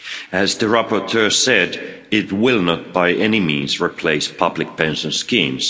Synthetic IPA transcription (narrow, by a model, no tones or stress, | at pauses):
ɨzðɨɹapə˞tʰɜ˞sɛd | ɪt̚wɪlˠnət̚b̥aɪʔɛnimḭ̃nzɹipʰl̥eɪspʰʌblɨk̚pʰɛ̃nʃə̃nskĩmz̥